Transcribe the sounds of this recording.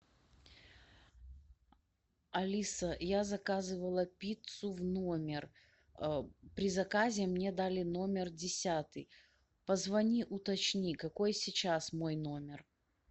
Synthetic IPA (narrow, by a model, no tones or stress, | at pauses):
ɐlʲisəjazɐkazɨvəlˠəpʲit̪sʊvnomʲɪr | pɾʲɪzɐkazʲɪmnʲe̞d̪alʲɪno̞mʲɪrdʲɪsʲat̪ɨj | pəzvɐnʲiʔʊt̪ɐt͡ɕnʲikɐko̞jsʲit͡ɕasmo̞jno̞mʲɪr